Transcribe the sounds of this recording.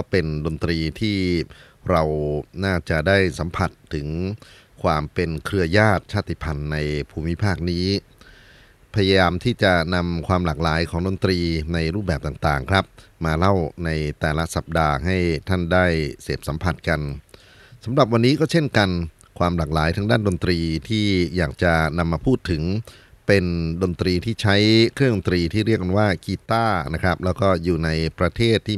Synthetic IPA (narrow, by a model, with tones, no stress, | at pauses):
kɔː˥˩pe˧ndo˧nt̪ɾiː˧t̪ʰiː˥˩ | ɾa˧wnaː˥˩t͡ɕa˨˩daː˥˩jsa˩˦mpʰa˨˩t̪ʰːɯ˩˦ŋ | kʰwaː˧mpe˧nkʰɾɯ˧ɐjaː˥˩t̪̚t͡ɕʰaː˥˩t̪i˧˩pʰa˧nːa˧jpʰuː˧mi˦˥pʰaː˥˩k̚niː˦˥ | pʰa˧ja˧jaː˧mt̪ʰiː˥˩t͡ɕa˨˩na˧mkʰwaː˧mlaː˨˩k̚laː˩˦jkʰɔː˩˦ŋdo˧nt̪ɾiː˧na˧jɾuː˥˩p̚bɛː˨˩p̚t̪aː˨˩ŋt̪aː˨˩ŋkʰɾa˦˥p̚maː˧la˥˩wna˧jt̪ɛː˨˩la˦˥sa˨˩p̚daː˧ɦa˥˩jt̪ʰa˥˩ndaː˥˩jseː˨˩p̚sa˩˦mpʰa˨˩t̪̚ka˧n | sa˩˦mɾa˨˩p̚wa˧nːiː˦˥kɔː˥˩t͡ɕʰe˥˩nka˧n | kʰwaː˧mlaː˨˩k̚laː˩˦jt̪ʰa˦˥ŋdaː˥˩ndo˧nt̪ɾiː˧t̪ʰiː˥˩jaː˨˩k̚t͡ɕa˨˩na˧mːaː˧pʰuː˥˩t̪ʰːɯ˩˦ŋ | pe˧ndo˧nt̪ɾiː˧t̪ʰiː˥˩t͡ɕʰa˦˥jkʰɾɯ˥˩˨ŋdo˧nt̪ɾiː˧t̪ʰiː˥˩ɾi˥˩ək̚ːa˧nwaː˥˩kiː˧t̪aː˥˩na˦˥kʰɾa˦˥p̚lɛː˦˥wkɔː˥˩juː˨˩na˧jpɾa˧t̪ʰeː˥˩t̪ʰːiː˥˩